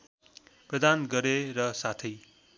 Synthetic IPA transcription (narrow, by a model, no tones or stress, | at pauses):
prʌd̪ʱanɡʌɾeɾʌsat̪ʰʌj